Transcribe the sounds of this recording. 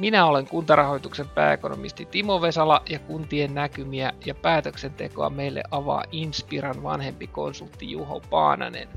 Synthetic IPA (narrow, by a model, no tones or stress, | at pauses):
minæole̞ŋkunt̪ɑrɑho̞jt̪ukse̞mpæ̰ːeko̞no̞̰mist̪it̪imoʋe̞sɑlɑjɑkunt̪ienːækymiæjɑpæːt̪økse̞nt̪e̞̰koɑ̰me̞jlːʔḛʔʔɑʋɑ̰ːʔinspirɑnʋɑ̰nhe̞mpiko̞nsult̪ːijuɦo̰pɑ̰ːnɑ̰ne̞̰n